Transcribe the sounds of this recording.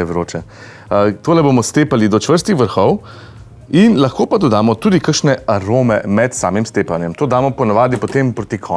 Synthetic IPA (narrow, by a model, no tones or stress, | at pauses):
ɛʋɾoːt͡ʃɛ | t̪oːlɛboːmɔst̪eːpalid̪ɔt͡ʃʋəɾst̪ixʋəɾxɔw | inlɐxkoːpad̪od̪aːmɔt̪uːd̪ikəkʃnɛaɾoːmɛmɛt̪sa̰ːmimst̪eːpanjɛmt̪oːd̪aːmɔpɔnaʋaːd̪ipot̪empɾot̪ikʰɔ